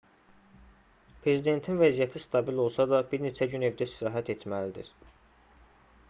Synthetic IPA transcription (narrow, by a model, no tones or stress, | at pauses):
pʰɾe̞zid̪e̞nt̪ʰinvæzijæt̪ʰist̪ʰɑbilo̞lˠsɑd̪ɑbiɾne̞t͡ʃʰæɟyne̞vd̪æst̪iɾɑːɦæt̪ʰe̞t̪mælid̪ḭɾ